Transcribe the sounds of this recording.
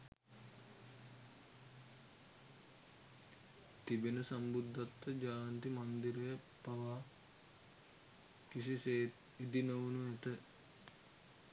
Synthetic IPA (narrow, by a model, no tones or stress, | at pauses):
t̪ibenəsambud̪ʱːat̪ːəd͡ʒaːant̪imand̪iɾəjə | paʋaː | kisiseː | id̪inəʋunuɛt̪ə